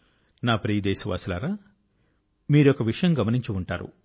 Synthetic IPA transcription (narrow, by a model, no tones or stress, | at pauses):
naːpɾiːd̪ɛːsɐʋa̰ːsila̰ːɾaː | miːɾuɔkɐʋiʂɐjɐmɡɐmɐniɲt͡ʃiuɳʈa̰ːɾṵ